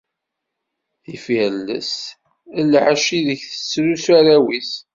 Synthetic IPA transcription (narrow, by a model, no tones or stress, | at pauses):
θifæɾlːə̰s | əlːəħæʃiðəçθə̥sːɾusæɾæwis